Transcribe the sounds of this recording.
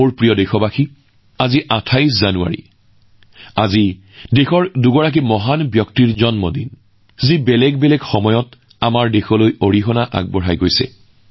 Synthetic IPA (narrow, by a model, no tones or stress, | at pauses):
oɹpɹijɔdexɔbaxi | aziʔatʰajs̬zanua̰ɹḭ | azi | dexɔɹduɡɔɹak̬imɔɦanbjɔktiɹzɔnmɔdin | zibɛlɛɡbɛlɛɡxɔmɔjɔt | amaɹdexɔlojoɹiɦɔnaʔa̰ɡ̚bɔɹajɡojsɛ̰